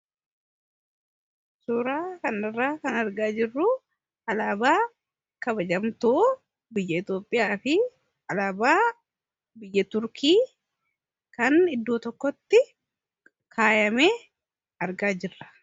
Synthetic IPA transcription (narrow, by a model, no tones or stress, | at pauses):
suːɾaːkɐnɐrːaːkɐnɐɾɡaːd͡ʒɪrːʊ | ɐlaːbaː | kɐbɐd͡ʒɐmt̪oː | bɪjːɐɪt̪jo̞ːpʼːɪjaːfɪ | ɐlaːbaː | bɪjːɐt̪ʊɾkʰiː | kɐnɪd̪ːoːt̪ɔkːɔt̪ːɪ | kʰaːjɐmeː | ɐɾɡaːd͡ʒɪrːɐ̥